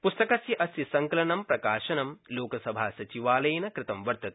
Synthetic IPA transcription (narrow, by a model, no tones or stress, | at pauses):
pust̪ɐkɐsjɐʔɐsjɐsɐŋkɐlɐnɐmpɾɐkaːʃɐnɐmloːkɐsɐbʱaːsɐt͡ʃiʋaːlɐjnɐkɾɪt̪ɐmʋɐɾt̪ɐt̪̚